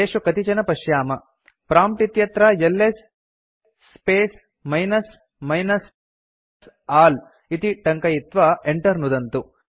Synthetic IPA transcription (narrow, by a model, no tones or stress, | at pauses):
eːʂukɐt̪it͡ʃɐnɐpɐʃjaːmɐ | pɾaːmʈit̪jɐt̪ɾɐjelːesː | peːs | mɐjnɐs | mɐjnɐs | aːl | it̪iʈɐŋkɐjit̪ʋɐeɳʈɐɾnud̪ɐnt̪u